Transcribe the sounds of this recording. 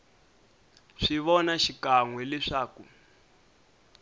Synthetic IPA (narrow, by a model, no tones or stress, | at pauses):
ʂiβɔnaʃikaŋwɛlɛʂaːku